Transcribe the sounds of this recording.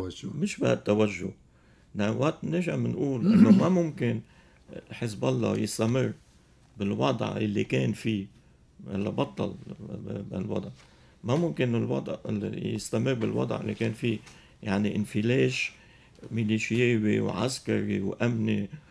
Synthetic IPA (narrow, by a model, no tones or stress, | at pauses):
mɪʃba̰ʔt̪ːawaʒːʊ̰ | nawaʔt̪neʒamnʔuːlʔɪnːomamʊmkɪn | ħɪs̬bʔɑlˤːɑ̰jɪst̪amɪrː | bɪlwɑd̪ˤʕɪlːḭkeːnfi | ʔa̰lːabɑt̪ˤːɑ̰l | ɪ̰lwɑ̰d̪ˤʕ | mamʊmkɪnɪlwɑ̰d̪ˤʕɪjɪst̪amɪrːbɪlwɑ̰d̪ˤʕʔɪ̰lːikeːnfiː | jaʕniʔɪnfileːʃ | mɪliʃjeːwḭwʕa̰skaɾiwʔamni